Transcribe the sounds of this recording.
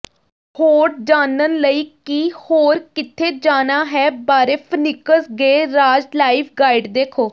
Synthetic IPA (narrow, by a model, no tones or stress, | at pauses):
hoːɾd͡ʒaːnənləiːkiːhoːɾkɪt̪ʰːeːd͡ʒaːnaːɦɛːbaːɾeːpʰənɪkəsɡeːɾaːd͡ʒlaːiːpʰɡaːɪɖd̪eːkʰoː